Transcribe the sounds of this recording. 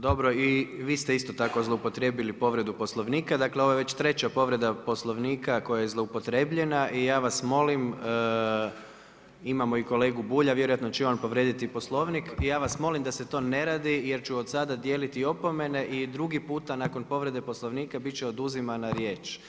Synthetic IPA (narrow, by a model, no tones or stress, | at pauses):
d̪o̞bɾo̞iʋiːst̪e̞ist̪ot̪akozlˠoupo̞t̪ɾe̞bilipo̞ʋɾe̞d̪upo̞slˠo̞ʋniːkad̪akleo̞ʋojeʋe̞t͡ɕt̪ɾe̞t͡ɕapo̞ʋɾe̞d̪apo̞slˠo̞ʋniːkako̞jajezlˠoupo̞t̪ɾe̞bʎe̞naʔijaːʋasmo̞lim | imamo̞iko̞le̞ːɡubuːʎaʋjeɾojat̪not͡ɕɛonpo̞ʋɾjeːd̪it̪ipo̞slˠo̞ʋnikijaːʋasmo̞limd̪ase̞t̪o̞ːne̞ɾaːd̪ijeɾt͡ʃuod̪sad̪ad̪je̞ːlit̪io̞pome̞ne̞ʔid̪ɾuɡipuːt̪anako̞npo̞ʋɾe̞d̪e̞poslˠoʋniːkabitt͡ʃɛod̪uzimanaɾjeːt͡ʃ